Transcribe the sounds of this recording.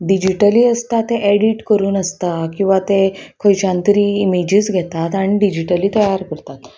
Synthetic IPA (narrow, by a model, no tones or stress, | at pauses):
ɖid͡ʑiʈəliːəst̪at̪eʔɛɽiʈkəɾuːnəst̪akĩw̃ʋat̪ekʰəjt͡ɕãnt̪ɾiːmed͡ʑid͡zɡʱɛt̪at̪aɽ̃iɖid͡ʑiʈəliːt̪əjaɾkəɾt̪at̪